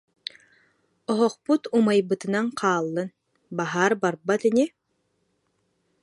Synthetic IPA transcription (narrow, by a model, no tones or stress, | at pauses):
ɔɦɔχput̪umajbɯt̪ɯ̆naɴqʰaːlˠːɯn | baɦaːɾbaɾbat̪ɛni